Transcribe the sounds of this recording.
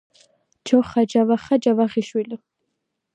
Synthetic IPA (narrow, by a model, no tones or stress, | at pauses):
d͡ʒɔχad͡ʒavaχad͡ʒavaʁiʃwili